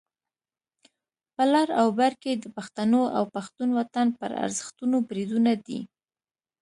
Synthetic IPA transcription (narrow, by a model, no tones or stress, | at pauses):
pəlɑɾawbaɾked̪əpaxt̪anoa̰wpaxt̪unwat̪anpə̰ɾa̰ɾzəxt̪unobɾid̪unad̪ḭ